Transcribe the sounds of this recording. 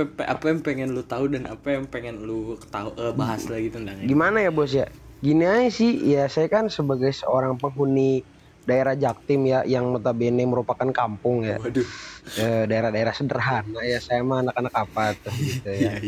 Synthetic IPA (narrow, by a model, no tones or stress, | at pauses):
pa̰pajaŋpeŋɛnlut̪audana̰pajaŋpeŋɛnlut̪auʔəbaɦaslaɡit̪undaɡimanajabus̬jaɡiniaisɪhjasajakansəbaɡajsəoɾaŋpəŋɦuni | daeɾahd͡ʒak̚t̪ɪmjajaŋmət̪abenɛməɾupakankampʊŋja | ədaeɾahdaeɾahsədərɦanajasajamaːnakanakapat̪ʊhɡit̪ujaa